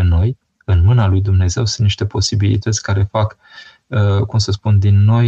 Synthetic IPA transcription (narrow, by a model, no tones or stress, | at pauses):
eno̞j | ɨnmɨnalujd̪umne̞ze̞wsɨnt̪niʃt̪e̞po̞sibilḭt̪ət̪sʲkaɾe̞fak | əkumsəspund̪inːo̞j